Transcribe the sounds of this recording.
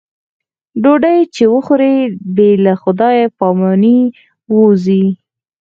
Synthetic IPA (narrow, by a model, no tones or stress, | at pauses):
ɖoɖajt͡ʃewəxʊɾebelaxʊd̪ɑjepɑmɑni | wuzi